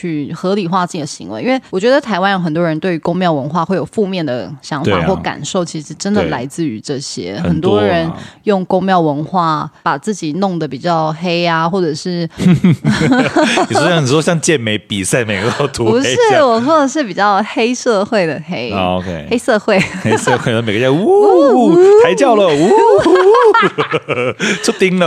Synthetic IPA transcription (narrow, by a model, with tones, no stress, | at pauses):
t͡ɕʰy˥˩xɤ˧˥li˨˩xwa˥˧t͡s̩˥˩˨d̪ə˨ɕḭ˧˥ŋwḛ˧˥ɪi˥nwe˥˩ɪwɔ˨˩t͡ɕɥɛ˧˥d̪ə˧t̪ʰa˧˥ɪwa˥njo˧˥ʊxə˨˩nt̪wɔ˦˥ɻə˧˥nt̪we˥˩ɪy˧˥kʊ˥ŋmjɑ˥˩ʊwə˧˥nxwa˥˧xwe˥˩jo˨˩ʊfu˥˧mjɛ˥˩nd̪ə̰˩ɕjɑ˧˥ŋfa̰˨˧˩xwɔ˥˩ka̰˨˩nʂo˥˩ʊt͡ɕʰi˧˥ʂɻ̩˧˥ʈ͡ʂə˥nd̪ə˧˨la˧˥ɪt͡sɹ̩˥˩y˧˥ʈ͡ʂɤ˥˩ɕjɛ̰˥xə˨˩nt̪wɔ˦ɻə˧˦njʊ˥˩ŋkʊ˥ŋmjɑ˥˩ʊwə˧˥nxwa˥˩pa˨˩t͡sɹ̩˥˩t͡ɕi˨˩nʊ˥˩ŋd̪ə˩pi˨˩t͡ɕjɑ˥˩ʊxe˥ɪa˧xwɔ˥˩ʈ͡ʂɤ˨˩ʂɻ̩˥˩˨ | jni˨˩˥ɕjɑ˥˧ŋt͡ɕjɛ˥˩nme˧˥ɪpi˨˩sa˥˩ɪme˨ɪɡ̪ɑ˥˩ʊt̪ʰu˧pu˧˥ʂɻ̩˥˩wɔ˨˩swɔ˥˩d̪ə˨ʂ̬ɻ̩˥˩pi˨˩t͡ɕjɑ˥˩ʊxe˥ɪʂɤ˥˧xwe˥˩ɪd̪ə˩xe˥ɪkʰe˥ɪxe˥ɪsɤ˥˧xwe˥˩ɪ˥sə˥˧xwe˥˩ə˥me˨˩ɡə˥t͡ɕja˥˩u˥ | a˧˥ɪt͡ɕjɑ˥˩ʊlə˨u˧˦˥ | t͡ɕʰʊ˥t̪i˥ŋlə˨